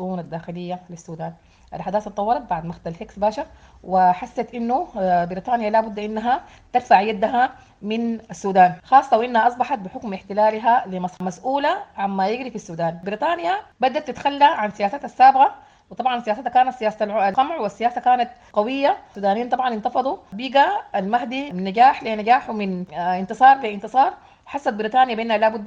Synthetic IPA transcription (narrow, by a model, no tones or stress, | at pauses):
ʃʊʔuːnad̪ːaːxɪlɪjːalisːuːd̪aːn | ʔa̰lħad̪aːθt̪ˤɑwːɑɾˤɑt̪̚baʕd̪maxt̪alheksbaːʃɑɾ | wɪħasːat̪ʔɪnːubɪɾiːt̪ˤɑːnjalaːbʊd̪ːʔɪnːaɦa | t̪ɪd̪faʕjad̪ːaɦa | mɪnasːuːd̪aːnxɑːsˤːɑwɪʔɪnːhaʔɑsˤbɑħɑt̪̚bɪħʊkmʔɪħt̪ɪlaːlɦalimasmasʔuːlaʕanmajɪɡɾifisːuːd̪aːnbɪɾiːt̪ˤɑːnjabad̪ːat̪ːɪt̪xalːaʕansijaːsat̪asːaːbɪɣa | wɨt̪ˤɑbʕɑnsijaːsat̪akaːnat̪sijaːsalʕalqamʕwɪsːijaːsakaːnat̪ | qɑwɪjːauːd̪aːniːnt̪ˤɑbʕɑnɪnt̪ɑfɑd̪ˤubiːɡaalmaɦd̪imɪnːaɡaːħlinaɡaːħwmɪnɪnt̪ɨsˤɑːɾˤfiʔɪnt̪ɨsˤɑːɾˤ | ħɑsːat̪̚bɪɾiːt̪ˤɑːnjabeːnhalaːbʊd̪ː